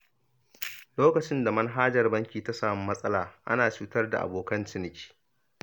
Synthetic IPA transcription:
loː˦kɐ˨t͡ʃɪ˦nda˨mɐ˦nɦaː˦d͡ʒɐ˨rbɐ˦ŋkʲiː˨ta˦saː˨m˦mɐ˦sʼɐ˦laː˨ʔa̰˦naː˨t͡ʃuː˦tɐ˦rda̰˨ʔa̰˨boː˨kɐ˦nt͡ʃɪ˦nɪ˨˦kʲi̥ː˨

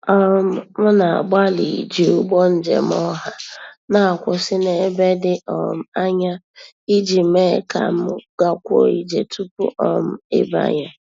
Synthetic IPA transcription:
ɔ˦m̩˦mʊ˦na˨a̰˨ɡ͡ba˦li˨d͡ʒi˨u˦ɡ͡bɔ˦n̩˦d͡ʒḛ˨m˦ɔ˦ɦa˦na˦˨kʷʊ˨sɪ˦ne˦be˦dɪ˦ɔ˨m̩˦a˦ɲa˦ | i˦d͡ʒi˨me˦˨ka̰˨m̩˦ɡ̥a˦kʷo̰˦˨i˦d͡ʒe˨tʰu˦pṵ˦ʔɔ˦m̩˦ḛ˦ba̰˦ɲa˦

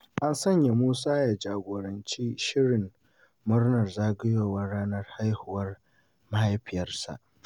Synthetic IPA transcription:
ʔa˦nsɐ˦˨ɲja˨muː˦saː˦jaː˨d͡ʒaː˨ɡʷoː˨ɾɐ˨nt͡ʃiː˦ʃɪ˦ɽɪ˨mː | ʊ˦rnɐ˨rzaː˦ɡɪ˦joː˦˨wɐ˦ɽaː˦nɐ˦rha˦jhʊ˨wɐ˦r | mɐ˦ha˦jɸɪ˨jɐ˦rsa̰˨ʔ

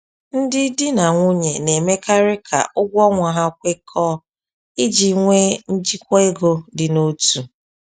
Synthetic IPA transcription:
n̩˦dɪ˦dɪ˦na˨ŋʷʊ˦ɲe˨ne˨me˦ka˦ɾɪ˦kʰa̰˨ʔʊ˦ɡʷɔ˦ŋʷa˨ɦa˦kʷe˦kʰɔ˦ | ɪ˦d͡ʒi˨ŋʷe˦n̩˦d͡ʒi˦kʷe˦ɡo˦dɪ˨no˦tu˨

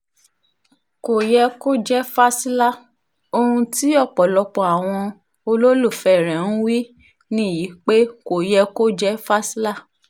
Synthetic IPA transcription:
ko˨jɛ˧ko˦d͡ʒɛ˦fa˦si˦la˦˨ | o˧hũ˧ti˦ɔ˦˨k͡pɔ˨lɔ˧k͡pɔ˨a˨w̃ɔ̃˧ | o˧lo˦lu˦˨fɛ˨ɾ̃ɛ̃˨ñ̩˦wi˦ | nĩ˦˨ji˨˦k͡pe˦ko˨jɛ˧ko˦d͡ʒɛ˦fa˦si˦la˦˨

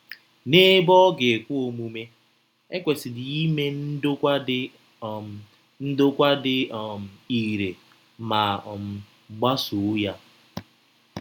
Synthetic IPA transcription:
ne˦bɔ˦ɡe˨kʷu˦o˨mu˦me˦ | e˦kʷe˨sɪ˨di˨i˦me˦n̩˦dʊ˦kʷa˦dɪ˦ | n̩˦dʊ˦kʷa˦dɪ˨˦˨m̩˨i˨ɾe˨ | ma˨m˨ | ɡ͡ba˦su˨˦ja˦

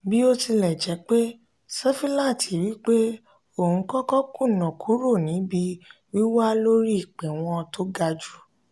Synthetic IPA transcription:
bi˦o˦ti˧lɛ˨d͡ʒɛ˨˧˦k͡pe˦ | sɛ˦fi˦lã˦˨ti˨wi˦k͡pe˦ | o˦˨hũ˨˧˦kɔ˦kɔ˦kũ˦˨nɔ̃˨kʰu˨˦ɾo˦˨nĩ˨˦bi˧ | wi˦wa˦lo˦ɾi˦i˦˨k͡pɛ˨w̃ɔ̃˧to˦ɡa˧d͡ʒu˦

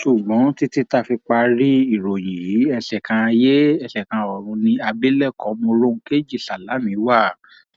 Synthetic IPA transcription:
ʃu˨ɡ͡bɔ̃˨˦ti˦ti˦ta˦˨fi˧k͡pa˧ɾi˦i˦˨ɾo˨j̃ĩ˨ji˨˦ɛ˧ɬɛ˨kã˧je˦ɛ˧ʃɛ˨kã˧ɔ˨ɾ̃ũ˧nĩ˧a˧be˦lɛ˦˨kɔ˨˦mõ˧ɾõ˦ke˦˨d͡ʒi˦˨ɬa˨la˨˦nĩ˨˦wa˦˨

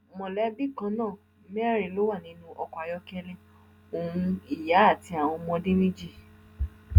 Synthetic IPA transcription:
mɔ̃˨lɛ˦bi˦˨kã˧nãː˦˨ | mɛ˦ɾi˨lo˦wa˦˨nĩ˧˦nũ˧ʔɔ˧kʷa˨jɔ˧˦kɛ˧lɛ˦ | o˨ũ˧i˦˨ja˨˦a˦˨ti˧˦a˨w̃ɔ̃˧mɔ̃˧dĩ˦nĩ˦d͡ʒi˦˨

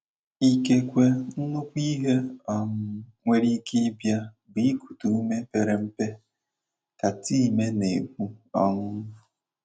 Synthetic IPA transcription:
i˦ke˦kʷe˦n̩˦nʊ˦kʷi˦ɦe˦ɔ˦ŋʊ˦ŋʷe˦ɾi˦ke˦bja˦ | bi˨i˦ku̥˨tu˨u˦me˦pe˨ɾe˨m̩˦pe˦ | ta˨ti˦i˨me˦ne˨kʷu˦ɔ˦ŋʊ˦ʊ˨

